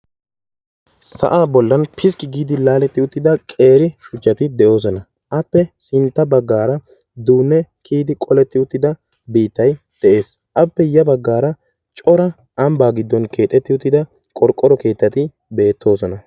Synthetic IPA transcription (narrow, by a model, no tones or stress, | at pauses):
sɐ̰ʔaːbɔlːɐnpʰɪs̬kɪɡiːd̪ɪlaːlɛt̪ːɪʊt̪ːɪd̪ɐkʼe̞ːɾɪʃʊt͡ʃːɐt̪ɪd̪ɛʔo̞ːs̬ɔnɐ | ʔɐpːɛsɪnt̪ːɐbɐɡːaːɾɐ | d̪uːnːɛkʰiːd̪ɪkʼɔlɛt̪ːɪʊt̪ːɪd̪ɐ | biːt̪ːɐj | d̪̥ɛʔe̞ːsʔɐpːɛjɐbɐɡːaːɾɐ | t͡ʃʼɔɾɐ | ɐmbaːɡɪd̪ːɔnkʰe̞ːt̪ʼːɛt̪ːɪʊt̪ːɪd̪ɐ | kʼɔɾkʼːɔɾɔke̞ːt̪ːɐt̪ɪ | be̞ːt̪ʰːo̞ːsɔnɐ